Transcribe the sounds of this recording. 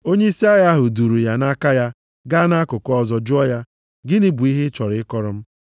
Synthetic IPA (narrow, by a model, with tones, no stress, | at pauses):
o˦ɲe˦i˦si˦a˦ja˦ɦʊ˨du˨ɾu˨ja˨na˦ka˦ja˦ | ɡa˦na˦kʊ˨kɔ˦zɔ˨d͡ʒʊ˦ɔ˦ja˦ | ɡɪ˦nɪ˦bu˨i˦ɦɪ˦t͡ʃɔ˨ɾɪ˨˦ɪ˦kɔ˦ɾɔ˦m̩˦